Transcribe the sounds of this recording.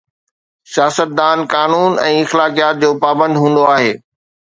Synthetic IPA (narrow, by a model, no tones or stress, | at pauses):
sijaːsət̪̚d̪aːnkaːnuːnɛ̰̃ːɪxlaːkijaːt̪̚d͡ʑoːpaːbə̃nd̪ɦũːn̆d̪oaːɦeː